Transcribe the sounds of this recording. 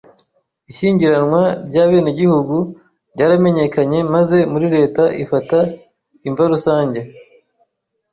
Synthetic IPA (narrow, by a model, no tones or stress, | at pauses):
iʃiːɲɟiɾanŋwaɾjɟaːβeːneɟihuɡu | ɾɟaːɾame̞ɲe̞kaɲe̞maze̞muɾiɾe̞ːtaʔḭfata | iɱvaɾusaːɲɟe